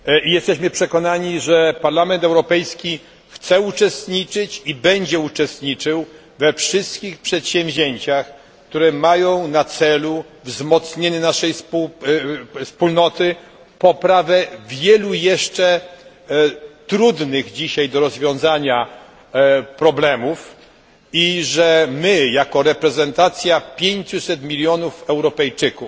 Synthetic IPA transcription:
ijɛst̪ɛɕmɘpʂɛkɔnaɲiʐɛpaɾlamɛnt̪ɛwɾɔpɛjskʲi | xt̪sɛut͡ʂɛst̪ɲit͡ʂɘt͡ɕibɛɲd͡ʑɛut͡ʂɛst̪ɲit͡ʂɘw | vɛfʂɘst̪kʲixpʂɛt̪ɕɛ̃w̃vʲʑeɲt͡ɕax | k̚t̪uɾɛmajɔ̃w̃nat̪sɛluvzmɔt̪sɲeɲɛnaʂɛjspu | spulnɔt̪ɘ | pɔpɾavɛvʲjɛlujɛʂt͡ʂɛ | t̪ɾud̪nɘɣd͡ʑiɕajd̪ɔɾɔzvʲjɔ̃w̃zaɲa | pɾɔblɛmuf | iʐɛmɘjakɔɾɛpɾɛzɛnt̪at̪sʲjapʲjeɲt͡ɕusɛt̪mʲilʲjɔnufɛwɾɔpɛjt͡ʂɘkuf

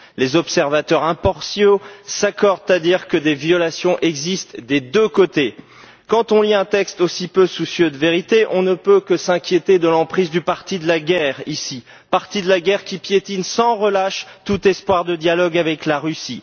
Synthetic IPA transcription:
lezɔpsɛʁvat̪œʁɛ̃pɔʁsjosakɔʁd̪̚t̪ad̪iʁkəd̪evjɔlasjɔ̃ʔɛɡzist̪d̪ed̪økot̪e | kɑ̃t̪ɔ̃liɛ̃t̪ɛkst̪osipøsusjød̪əveʁit̪eʔɔ̃nəpøkəsɛ̃kʲjet̪ed̪əlɑ̃pχizd̪ypaʁt̪id̪əlaɡɛʁisi | paʁt̪id̪əlaɡʲɛʁkʲipjet̪insɑ̃ʁəlaʃt̪ut̪ɛspwaʁd̪əd̪jalɔɡavɛklaʁysi

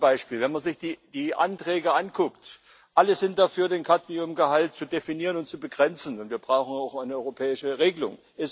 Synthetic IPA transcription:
b̥aɪʃpiːlvɛnmanzɪçd̥iːd̥iːʔa̰ntʁ̥ɛːɡəʔankʰʊkt | ʔaləzɪnt̚d̥afyːɐdeːnkʰatniʊmɡəhalt̚t͡sudefiniːʁənʊnt̚t͡subəɡʁɛnt͡sn̩ʊntv̥iːɐbʁaʊxn̩aʊxaɪnəʔɔʏʁopʰɛːɪʃəʁeːɡəlʊ̰ŋ | ʔɛs

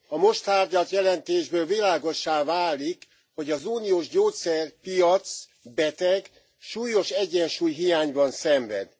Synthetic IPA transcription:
ɒmo̞ʃt̪aːrɟɒlt̪jɛlɛnt̪eːʒbøːlvilaːɡo̞ʃːaːvaːlik | ho̞ɟɒzuːnijoːʒɟoːt̪sɛrpijɒt̪s | bɛt̪ɛɡ | ʃuːjo̞ʃɛɟːɛnʃuːjɦijaːɲbɒnsɛɱvɛ̰d̪

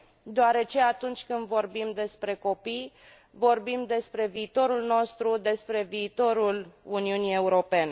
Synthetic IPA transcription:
d̪oaɾe̞t͡ʃe̞at̪unt͡ʃʲkɨnd̪vo̞rbimd̪e̞spɾe̞ko̞pij | vo̞rbimd̪e̞spɾe̞viːt̪o̞ɾulno̞st̪ɾud̪e̞spɾe̞viːt̪o̞ɾuluniunije̞uɾo̞pe̞ne

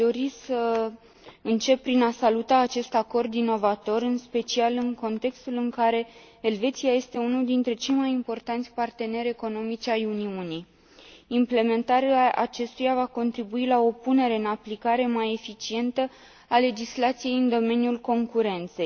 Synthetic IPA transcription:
d̪o̞ɾisə | ɨnt͡ʃe̞pːɾinasalut̪aːt͡ʃe̞st̪ako̞rd̪ino̞vat̪o̞ɾɨnspe̞t͡ʃialɨŋko̞nt̪e̞kst̪ulɨŋkaɾe̞ː | lve̞t̪siaje̞st̪e̞unuld̪int̪ɾe̞t͡ʃe̞jmajimpo̞rt̪ant̪sʲpart̪e̞ne̞ɾʲe̞ko̞no̞mit͡ʃʲajuniuni | imple̞me̞nt̪aɾeaʔa̰t͡ʃe̞st̪ujavako̞nt̪ɾibuilao̞pune̞ɾe̞ɨnaplikaɾe̞maje̞fit͡ʃie̞nt̪ə | ale̞d͡ʒislat̪sije̞jɨnd̪o̞me̞nʲjulko̞ŋkuɾe̞nt̪se̞j

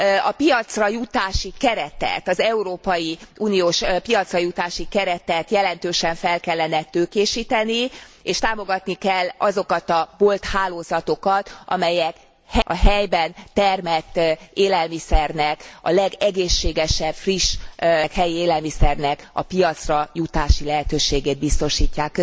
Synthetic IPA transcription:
ɒ̰pijɒt̪srɒjut̪aːʃikɛɾɛt̪ɛ̰t̪ɒzɛuɾoːpɒjiuːnijoːʃpijɒt̪srɒjut̪aːʃikɛɾɛt̪ɛt̪jɛlɛnt̪øːʃɛɱfɛlkɛlːɛnɛt̪øːkeːʃiːt̪ɛnieːʃt̪aːmo̞ɡɒt̪nikɛlːɒzo̞kɒt̪ɒbolt̪haːloːzɒt̪o̞kɒt̪ʔɒ̰mɛjɛk | hɛɒɦɛjbɛnt̪ɛrmɛt̪ːʔeːlɛlmisɛrnɛkɒ̰lɛɡɛɡeːʃːeːɡɛʃɛb̥friʃkhɛjieːlɛlmisɛrnɛkɒ̰pijɒt̪srɒjut̪aːʃilɛɦɛt̪øːʃeːɡeːd̪̚bist̪o̞ʃiːcːaːkː

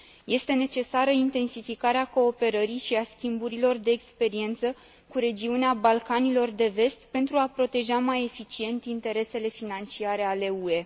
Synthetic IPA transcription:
je̞st̪ene̞t͡ʃe̞saɾəint̪e̞nsifikaɾeako̞ːpe̞ɾəɾiʃiaskʲimbuɾilo̞rd̪e̞ːkspe̞ɾie̞nt̪sə | kuɾe̞d͡ʒiuneabalkanilo̞rd̪e̞ve̞st̪pe̞nt̪ɾuapɾo̞t̪e̞ʒamaje̞fit͡ʃie̞nt̪int̪e̞ɾe̞se̞le̞finant͡ʃiaɾe̞ale̞ue̞

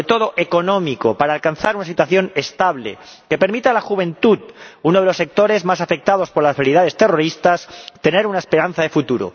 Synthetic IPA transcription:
et̪o̞ðo̞ʔe̞ko̞nõ̞miko̞paɾaːlkanθaɾunasit̪waθjo̞ne̞st̪aβle̞̰ke̞pe̞ɾmit̪alaxuβ̞ẽ̞nt̪uðunoðelo̞sːe̞k̚t̪o̞ɾe̞zmasafe̞k̚t̪að̞o̞spo̞ɾlaseliðaðe̞st̪e̞ro̞ɾist̪ast̪e̞ne̞ɾunaespe̞ɾanθaðe̞fut̪uɾo̰

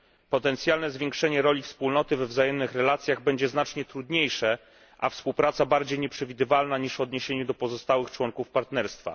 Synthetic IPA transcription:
pɔt̪ɛnt̪sʲjalnɛzvʲjɛ̃ŋkʂɛɲɛɾɔlʲifspulnɔt̪ɘvɛvzajɛmnɘxɾɛlat̪sʲjaɣbɛɲd͡ʑɛznat͡ʂɲɛt̪ɾud̪ɲejʂɛ | ʔafspuwpɾat̪sabaɾd͡ʑejɲɛpʂɛvʲid̪ɘvalnaɲiʂvɔd̪ɲeɕeɲud̪ɔpɔzɔst̪awɘxt͡ʂwɔŋkufpaɾt̪nɛɾst̪fa̰

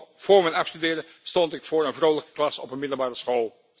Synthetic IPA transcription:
v̥ʊːɹmɛnɑfstydɪːdə | stɔntɪkfʊːɹənvrowləkə̥klɑsɔpənmɪdəl̩ˠbaːrəsχoːlˠ

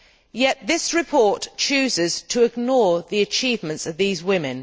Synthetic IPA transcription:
jɛʔ̪̚ðɪsɹɪpʰɔˑtt͡ʃʰʉːzɪz̥tʰəɪɡnɔːðiət͡ʃʰiːvmə̃ntsəvðiːzwɪ̃mɪ̃n

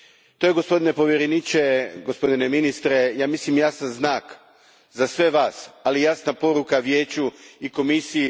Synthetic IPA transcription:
t̪o̞jeɡo̞spo̞d̪ine̞po̞ʋjeɾenit͡ʃe̞ɡo̞spo̞d̪ineminist̪ɾe̞jaːmislimjasanznaːk | zasʋe̞ʋaːsalijasnapo̞ɾukaʋje̞ːt͡ɕuiko̞misiji

